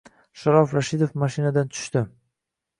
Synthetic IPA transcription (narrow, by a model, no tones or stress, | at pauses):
ʃaɾɒfɾaʃɪd̪ofmaʃinad̪ant̪ʰʊ̥ʃt̪ɪ